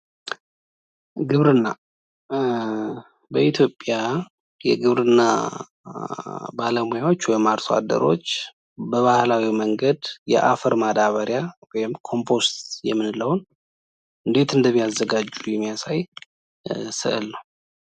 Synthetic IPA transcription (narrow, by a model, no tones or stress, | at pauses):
ɡɨβɾɨnːa | bəʔit̪ʰjo̞pʼːja | jɛ̰ɡɨβɾɨnːa | baləmujawo̞t͡ʃːwɔjmaɾsoa̰d̪ə̰ɾo̞̰t͡ʃː | bəβahlawiməŋɡəd̪jɛ̰ʔafəɾmad̪aβəɾjawɔjmkʰo̞mpʰo̞st̪jɛ̰mːɨnləwn | ʔɨnd̪e̞t̪ɨnd̪əmːijazːəɡad͡ʒːujɛmːijasaj | sɨ̰ʔɨ̰lnəw